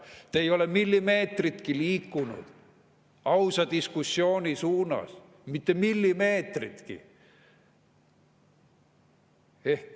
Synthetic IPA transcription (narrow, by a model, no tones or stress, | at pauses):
t̪ejo̞le̞milːime̞ːt̪rit̪kiliːkːunṵd̪̥ | ɑwsɑd̪̥iskusʲːjo̞ːnʲisuːnɑ̰s | mit̪ːe̞milːime̞ːt̪rit̪kḭ | e̞hk